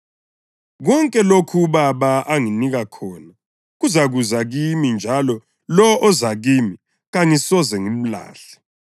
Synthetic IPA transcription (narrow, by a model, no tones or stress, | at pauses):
ɣɔŋkʼɛlokʰuβaβaʔaŋiniɣakʰɔːna | ɣuzaɣuzaɣimind͡ʒʱalɔ | lɔʔɔzaɣimi | ɣaŋisɔzɛŋim̩la̰ːɬɛ̥